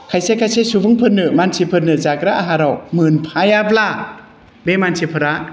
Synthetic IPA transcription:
kʰajsekʰajsesuvɯŋpʰɯnːɯmansʰipʰɯɾnɯzakɾaʔaɦaɾɔwmɯnpʰajabla | bemansʰipʰɯɾa

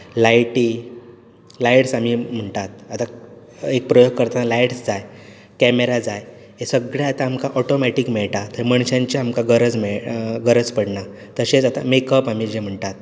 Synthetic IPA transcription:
lajʈiː | lajʈsamim̤əɳʈ̪at̪̚at̪a | ek̚pɾəjoɡ̚kəɾt̪analajʈsd͡zaj | kɛmeɾad͡zaj | esəɡɭjaat̪aːmkaʔɔʈomɛʈikmeɭʈat̪əiməɳ̃ɕãɲt͡ɕeamkaɡəɾəd͡zmɛɭɡəɾəd͡zpəɽɳa | t̪əɕet͡sat̪a̰mekəpamid͡ʑem̤əɳʈat̪̚

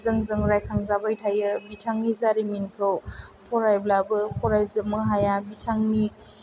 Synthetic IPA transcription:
zɯŋzɯŋɾajkʰaŋzabajtʰajɯbitʰaŋnizaɾiminkʰɯwpʰɔɾajblabɯpʰɔɾajzɯmɯɦajabitʰaŋni

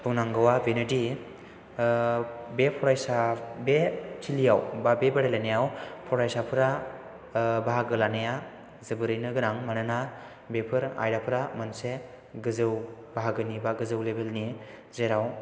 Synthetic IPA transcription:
buŋnaŋɡawabenɯdi | bepʰɔɾajsabetʰilijawbabebaɾelanejawpʰɔɾajsapʰɯɾa | baɦaɡɯlanaja | zɯbɯɾɯjnɯɡɯɾaŋmanɯna | bepʰɯɾa̰jɾapʰɯɾamɯnse | ɡɯzɯwbaɦaɡɯnibaɡɯzɯwlebelni | zeɾaw

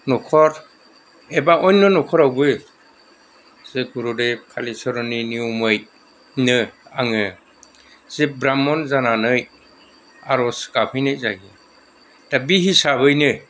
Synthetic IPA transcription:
nɔkʰɔɾ | ebaʔɔjnːɯnɔkʰɔɾawbɯ | z̥eɡuɾɔdɯkʰalisɔɾɔniniumɯj | nɯaŋɯ | z̥ebɾamɔnzananɯj | aɾɔskapʰɯjnɯjzaɡi | d̥abihisaβɯjnɯ

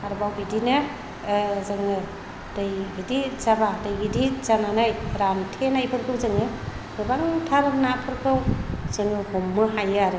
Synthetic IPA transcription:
aɾbawbidina | zɯŋɯ | dɯjɡidizabadɯjɡidizananajɾantʰenajpʰɯɾkʰɯwzɯŋɯ | ɡɯbaŋtʰaɾɯmnapʰɯɾkʰɯwzɯŋɯɡɔmːɯɦajaɾɯ

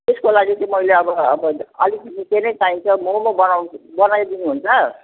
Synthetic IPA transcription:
t̪eskolaɡit͡sʌĩmʌjleʌbʌʌbʌʌlik̪imĩkenʌjt͡saĩnt͡sʰʌmomabʌnawbʌnajd̪inuɦunt͡sʰʌ

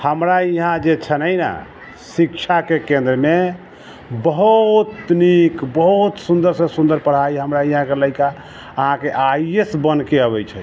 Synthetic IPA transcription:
həmɾaiɦãd͡ʒet͡ʃʰənəjna̰ | sikt͡ʃʰakekẽnd̪ɾəme | bəɦut̪nikbəɦut̪sund̪əɾsə̃sund̪əɾpəɽ̤aiɦəmɾaiɦãkeləɪka | əɦãkeʔaiesbənkeəβɛjt͡ʃʰɛ

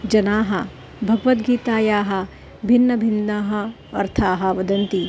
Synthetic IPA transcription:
d͡ʒɐnaːɦɐ | bʱɐɡʋɐt̪ɡiːt̪aːjaːɦɐ̆ | bʱɪnːɐbʱɪnaːɦɐ | ɐɾt̪ʰaːɦɐ̆ʋɐd̪ɐnt̪i

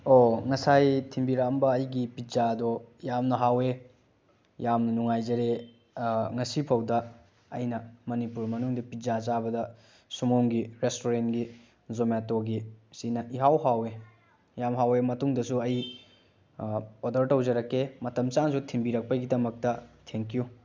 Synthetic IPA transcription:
oŋɐsajtʰimbiɾakɐmbɐːjɡipizadojamnɐɦawe | jamnɐnuŋajd͡ʒɐɾe | ŋɐsipʰɐwdɐː | jnɐmɐnipuɾmɐnuŋdɐpizazabɐdɐ | sumomɡiɾestoɾenɡi | zometoɡisinɐʔiɦawɦawe | jamɦawemɐtuŋdɐsuɐj | odɐɾtɐwd͡ʒɐɾɐkːemɐtɐmt͡ʃansutʰimbiɾɐk̚pɐɡidɐmɐk̚tɐtʰeŋkiju

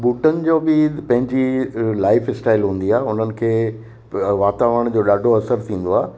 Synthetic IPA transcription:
buːʈənɪ̆d͡ʑoːbɪpɐ̃ɦɪ̃ɲd͡ʑilaːɪfɪsʈaːɪlɦũːnd̪iaːeʊn̤ənɪ̆kʰeː | ʋaːt̪aːʋəəɽ̃d͡ʑoːɗaːɖʱoɐsəɾt̪ʰĩːn̆d̪oaː

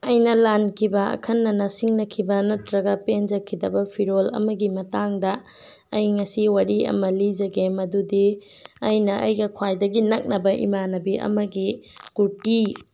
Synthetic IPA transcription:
ɐjnɐlankʰibɐɐ̰kʰɐnːɐnɐsiŋnɐkʰibɐnɐtɾɐɡɐpend͡ʒɐkʰidɐbɐpʰiɾolɐ̰mɐɡimɐtaŋdɐ | ɐjŋɐsiwaɾiɐ̰mɐlid͡ʒɐɡemɐdudi | ɐjnɐʔɐ̰jɡɐkʰwajdɐɡinɐk̚nɐbɐʔḭmanɐbiʔɐ̰mɐɡikuti

